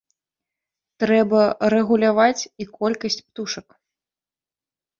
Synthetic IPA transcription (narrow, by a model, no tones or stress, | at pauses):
t̪ɾɛbɐɾɛɣulʲavat͡sʲikɔlʲkɐsʲt͡sʲpt̪uʂɐk